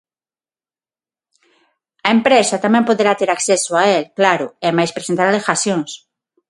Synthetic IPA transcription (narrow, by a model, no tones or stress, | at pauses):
ɐempɾesat̪amɛ̃mpoðeɾat̪eɾaksesoaelklaɾʊemajspɾesent̪aɾalexasjoŋs